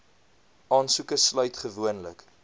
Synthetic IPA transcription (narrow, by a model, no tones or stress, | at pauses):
ʔɑːnsukəslœɥtχəvuənlə̰k